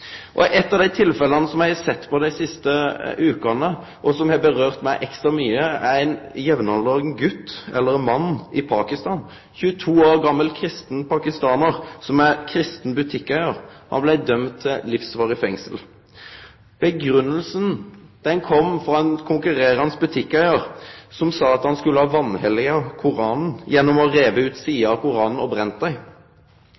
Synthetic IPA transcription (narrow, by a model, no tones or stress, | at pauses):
ʔɔʔɛt̪ːɑːʋd̪æɪt̪ʰɪlfɛlənəsɔmjæɪɑsɛt̪ːpʰɔd̪æɪsɪst̪əʔʉːkɑnə | ʔɔsɔmjæɑbəɾøːʁt̪mæɪʔɛkst̪ɾɑmyːəæɾæɪnjɛʋnɑnlɑːɡnɡʉt̪ːɛ̰lːəɾnmɑnːʔɪpʰɑːkɪst̪ɑːn | çʉːət̪ʰuːoːʁɡɑmːəlkʰɾɪst̪n̩pʰɑkɪst̪ɑːnəɾsɔmæɾkʰɾɪst̪n̩bʉt̪ʰɪkːæɪəɾhɑ̰nblæɪd̪œmt̪ʰːɪlɪfsʋɑːʁɪfɛŋsəl | b̥əɡɾʉnːəlsən̩d̪̥ɛŋkʰɔmfɾɑɛnkʰʊŋkʉʁeːɾəɑnsbʉt̪ʰɪkːæɪəɾsɔmsɑːɑt̪hɑnskʉlːəhɑːʋɑnhɛlːɪɑkʰʊɾɑːnn̩jɛnːɔmɔʁeːʋəʉːt̪siːəɑkʊɾɑːnn̩ɔbɾɛnt̪d̪æɪ